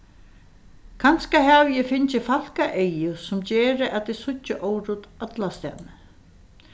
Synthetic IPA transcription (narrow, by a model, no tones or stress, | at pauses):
kʰanskaɦɛʋjɛfɪnt͡ʃɪfal̥kaʔejjʊsʊmd͡ʑɛːɾɪʔæt̪ɪsʊt͡ʃːɪʔoːwɾut̪œt̪last̪ɛnː